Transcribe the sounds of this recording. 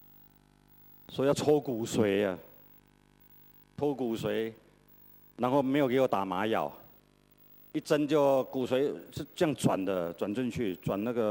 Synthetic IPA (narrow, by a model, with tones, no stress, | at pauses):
swɔ˧˥i˨ja˥˧ʊtʰɔ˥ʊku˨˩swe˧˥ɪə˧˨ | t̪ʰo˥ʊku˨˩swe˧˥˦ɪ | na˧˥nxo˥˩ʊme˧˥ɪjke˧˥wɔ˨˩t̪a˨˩ma˧˥jɑ̰˨˩ʊ | i˥˩t͡sə˥nt͡ɕjo˥˩ʊku˨˩swe˧˥ɪʂ̩˥˧t͡sɤ˥˧jɑ˥˩ŋt͡swa̰˨˩nd̪ə˦t͡swa˨˩nt͡ɕə˥˧nt͡ɕʰy˥˩t͡swa˨˩nna˥˩ɡə˨